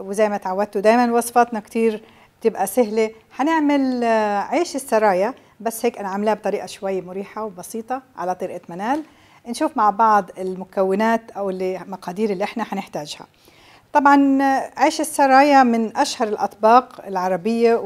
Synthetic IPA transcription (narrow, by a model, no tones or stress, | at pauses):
wɪzajmat̪ʕawːad̪̚t̪ud̪aːjmanwɑsˤfɑt̪nakt̪iːɾ | t̪ɪbʔasɪɦleħanɪʕmalʕiːʃɪsːɑɾˤɑːja | basːheːkʔanʕamɪlhab̚t̪ˤɑɾiːʔaʃwajːmʊɾiːħawbɑsiːt̪ˤɑʕalat̪ˤɨɾʔat̪manaːl | nʃuːfmaʕbɑʕd̪ˤɪlmʊkawːɪnaːt̪ʔawɪlːimɑqɑːd̪iːɾɪlːiʔɪħnaħanɪħt̪aːʒha̰ | t̪ˤɑbʕɑnʕiːʃɪsːɑɾˤɑːjamɪnʔaʃhɑɾˤɪlʔɑ̰t̪ˤbɑːqɪlʕɑɾˤɑbɪjːa